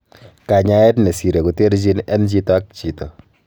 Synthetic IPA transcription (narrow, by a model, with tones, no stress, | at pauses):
ka˨ɲa˦e˦tne˨si˨ɾe˨ku˨te˦ɾt͡ʃi˦nɛ˦nt͡ʃi˦tɔ˦a˦k̚t͡ʃi˨tɔ˨